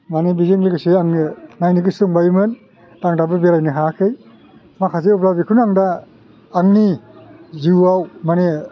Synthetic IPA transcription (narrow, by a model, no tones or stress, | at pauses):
manebizeŋleɡɯseaŋnɯnajniɡɯsɯŋbajmɯn | d̥aŋdabɯbeɾajnɯɦakʰɯj | makʰazeɔplabikʰɯnaŋdaː | ŋni | ziwawmane